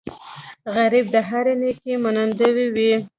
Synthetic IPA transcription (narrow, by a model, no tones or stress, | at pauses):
ɣaɾib̚d̪əɦaɾenekemanənd̪əwiwi